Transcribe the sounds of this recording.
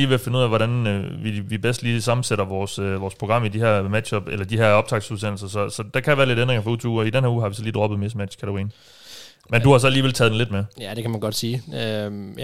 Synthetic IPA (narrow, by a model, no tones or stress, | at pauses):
iːʋefen̩uð̰ˠæʋɒɾænøʋiʋib̥esd̥liːsɑ̈mn̩seɾɐʋɒːsøʋɒːspʰʁoɡ̥ʁɑ̈m̰id̥iheɐ̰mæd̥ɕɒ̽b̥elɐd̥iɦeɐ̰ɒ̽b̥d̥ʰɑ̈ɡ̥̚d̥suðˠs̬en̰l̩sɐsɒ̽sɒ̽d̥ɑkʰæʋæːɐle̝ɾendʁeŋɐfɒut͡sʰuuːɒid̥enɦæɐuːɦɑ̈ʋisɒliːd̥ʁɒ̽b̥ð̩ˠme̝smæd̥ɕkʰæɾɐʁḭːn | menduhɑ̈s̬ɒ̽liːʋelt͡sʰɛːðˠdenle̝d̥mejæd̥e̝kʰæmænɡ̥ɒd̥siːø